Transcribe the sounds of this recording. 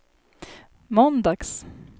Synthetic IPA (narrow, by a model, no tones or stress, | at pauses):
mɔnd̪ɑɡ̥s